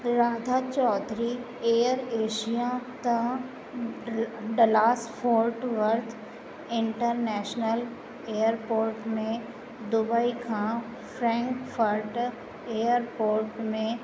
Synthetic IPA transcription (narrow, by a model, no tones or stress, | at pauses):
ɾaːd̪ʱat͡ʃɔːt̪ɾi | eːjəɾeːʃijat̪ɐ̃ | ɖəlaːspʰoːɾʈʋɐɾt̪ʰ | ɪ̃ɳʈəɾnɛːʃnəl | ejəɾpoːɾʈmẽ | d̪ʊbaikʰã | fɾɛ̃ːŋkfəɾʈ | ejəɾpoːɾʈmẽ